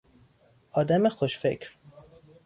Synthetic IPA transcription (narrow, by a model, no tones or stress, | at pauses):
ʔɒːd̪æmexoʃfḛcʰɾ